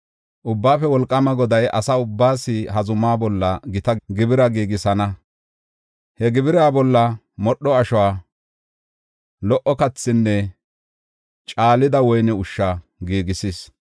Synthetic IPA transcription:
ʔʊbːaːfɛwɔlkʼːɐmɐɡɔd̪ɐjʔɐ̰saʊbːaːsɪhɐzʊmaːbɔlːɐɡɪt̪ɐɡɪbɪɾɐɡiːɡɪsɐnɐ | hɛɡɪbɪɾaːbɔlːɐ | mɔɗːɔɐʃɔwaː | lɔʔɔkɐt͡sːɪnːɛ | t͡ʃʼaːlɪd̪ɐwɔjnɛʊʃːɐ | ɡiːɡɪsɪs

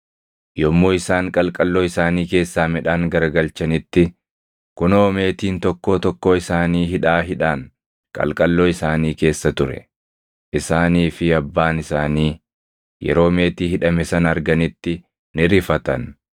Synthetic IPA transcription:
jɔmːoːɪsaːŋkʼɐlkʼɐlːoːɪsaːniːke̞ːsːaːmɛᶑaːŋɡɐɾɐɡɐlt͡ʃɐnɪt̪ːɪ | kʊno̞ːme̞ːt̪iːnt̪ɔkːoːt̪ɔkːoːɪsaːniːɦɪᶑaːɦɪᶑaːŋ | kʼɐ̰lkʼɐlːoːɪsaːniːke̞ːsːɐt̪ʊɾɛ̰ | ʔɪsaːniːfɪɐbːaːnɪsaːniː | jɛ̰ɾo̞ːme̞ːt̪iːhɪᶑɐmɛsɐnɐɾɡɐnɪt̪ːɪ | nɪɾɪfɐt̪ɐn

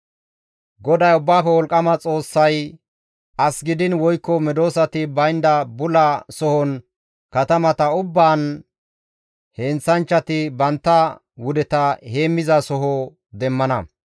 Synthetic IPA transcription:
ɡɔd̪ɐjʊbːaːfɛwɔlkʼːɐmɐt͡sʼo̞ːsːɐj | ʔɐsɡɪd̪ɪnwɔjkːɔmɛd̪o̞ːsɐt̪ɪbɐjnd̪ɐbʊlɐsɔhɔn | kɐt̪ɐmɐt̪ɐʊbːaːn | heːnt͡sːɐnt͡ʃːɐt̪ɪbɐnt̪ːɐ | wʊd̪ɛt̪ɐhe̞ːmːɪzɐsɔɦɔ | d̪ɛmːɐnɐ

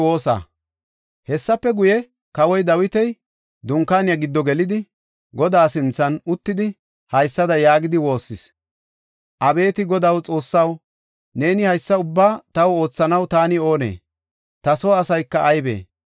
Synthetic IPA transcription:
oːsa̰ː | hɛsːɐpːɛɡʊjɛ | kɐwɔjd̪ɐwɪt̪ɛj | d̪ʊŋkːaːnɪjɐɡɪd̪ːɔɡɛlɪd̪ɪ | ɡɔd̪aːsɪnt͡sːɐnʊt̪ːɪd̪ɪ | hɐjsːɐd̪ɐjaːɡɪd̪ɪwo̞ːsːɪs | ʔɐbe̞ːt̪ɪɡɔd̪ɐwt͡sʼo̞ːsːɐw | ne̞ːnɪhɐjsːɐʊbːaːt̪ɐwo̞ːt͡sːɐnɐwt̪aːnɪo̞ːne̞̰ː | t̪ɐsoːɐsɐjkːɐʔːjbḛː

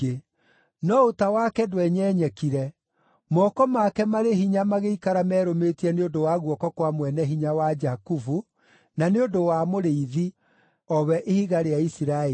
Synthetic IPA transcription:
e | nɔotawakɛdwɛɲɛːɲɛkiɾɛ | mɔkɔmakɛmaɾeɦiɲamaɣeikaɾamɛːɾometiɛneondowaɣwɔkɔkwamwɛnɛɦiɲawad͡ʒakufu | naneondowamoɾeiði | ɔβɛʔehiɣaɾeaisiɾae

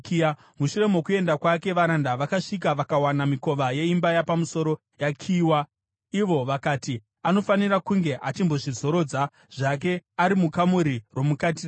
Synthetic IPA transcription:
muʃure̞mo̞kue̞ndakwake̞ʋaɾandaʋakaʂik̬aʋakawanamiko̞ʋaje̞imbajapamuso̞ɾo̞ | jakʰiːwa | iʋo̞ʋakaːti | ano̞fanirakuŋɡe̞ʔat͡ʃimbo̞ʐizo̞ɾo̞ːd͡za | ʐ̥ak̬e̞aɾimukamuɾirwo̞mukatir

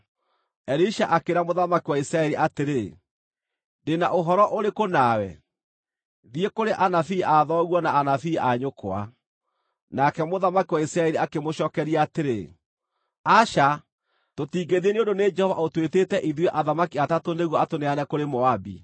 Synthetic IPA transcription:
ɛɾiʃaʔakeɾamoðamakiwaisɾaɛɾiʔateɾe | ndenaʔoɦɔɾɔʔoɾekonawɛ̰ | ðiekoɾeʔanafiʔaðɔɣwɔnaːnafiːaɲokoa̰ | nakɛmoðamakiwaisɾaɛɾiakemoɕɔːkɛɾiaateɾe | aʃa | totiːɡeðieneondoned͡ʒɛhɔva̰otweteːtɛʔiðweʔaðamakiatatoneɣwɔatoneanɛkoɾemɔabḭ

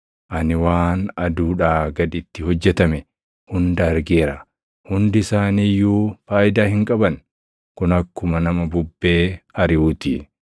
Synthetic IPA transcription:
ʔɐnɪwaːnɐd̪uːᶑaːɡɐᶑ̪ɪt̪ːɪhɔd͡ʒːɛt̪ɐmɛ | hʊnd̪ɐɐɾɡeːɾɐ | hʊnd̪ɪsaːniːjːuːfaːʔɪd̪aːhɪŋkʼɐbɐn | kʊnɐkːʊmɐnɐmɐbʊbːe̞ːɐɾɪuːt̪i

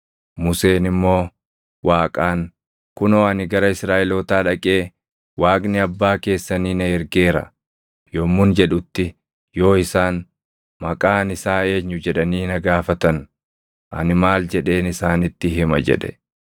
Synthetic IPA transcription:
mʊse̞ːnɪmːo̞ː | waːkʼaːŋ | kʊnoːɐnɪɡɐɾɐɪsɾaːʔɪloːt̪aːᶑɐkʼe̞ː | waːkʼnɪɐbːaːke̞ːsːɐniːnɐɛɾɡe̞ːɾɐ̰ | joːmːʊnd͡ʒɛᶑʊt̪ːɪ | jo̞ːɪsaːn | mɐkʼaːnɪsaːe̞ːɲːʊd͡ʒɛᶑɐniːnɐɡaːfɐt̪ɐn | ʔɐ̰nɪmaːld͡ʒɛᶑe̞ːnɪsaːnɪt̪ːɪɦɪmɐ̰d͡ʒɛ̰ᶑɛ̥

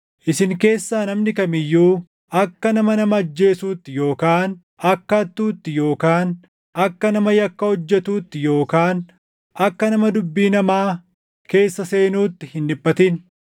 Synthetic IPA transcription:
ʔɪsɪŋke̞ːsːaːnɐmnɪkɐmɪjːuː | ʔɐkːɐnɐmɐnɐmɐːd͡ʒːe̞ːsuːt̪ːɪjo̞ːkaːn | ɐkːɐɐt̪ːuːt̪ːɪjo̞ːkaːn | ɐkːɐnɐmɐjɐkːɐhɔd͡ʒːɛt̪uːt̪ːɪjo̞ːkaːn | ʔɐkːɐnɐmɐd̪ʊbːiːnɐmaː | ke̞ːsːɐse̞ːnuːt̪ːɪhɪnᶑɪpːɐt̪in

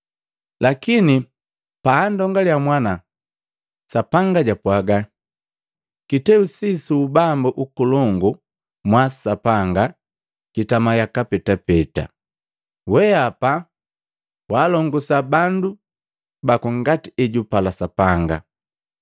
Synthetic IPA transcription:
lakini | paːndɔŋɡaljamwana | sapaŋɡaɟapwaɡa | kitɛusisuːbambuʔukulɔŋɡu | mwasapaŋɡa | kitamajakapɛtapɛta̰ | wɛapa | waːlɔŋɡusabandu | bakɔŋɡatiɛɟupalasapaŋɡa̰

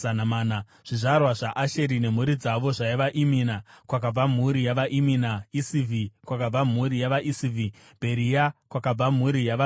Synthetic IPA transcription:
anamaːna | ʐ̥iʐarwaʐaʔaʃe̞ɾine̞m̤uɾid͡zaʋo̞ʐaiʋaʔiminakwak̬ab͡vam̤uɾijaʋaʔiminaisivʱikwakab͡vam̤uɾijaʋaʔisivʱi | bʱe̞ɾijakwakab͡vam̤uɾijaʋa

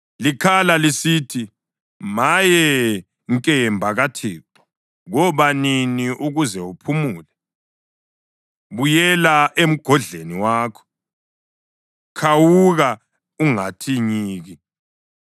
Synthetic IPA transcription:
likʰalalisitʰi | majɛ | ŋkʼɛmbʱaɣatʰiːǁɔ̥ | ɣɔβaniniʔuɣuzɛupʰumuːlɛ | βujɛlaʔem̩ɡ̥ʱɔɮeniwaːkʰɔ̥ | kʰawuɣa | uŋatʰiɲiːɣi

